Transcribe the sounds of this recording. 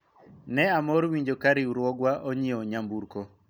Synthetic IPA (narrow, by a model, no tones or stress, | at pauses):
nɛamɔɾwiɲd͡ʒokaɾiuɾwɔɡwaʔoɲioɲambuɾko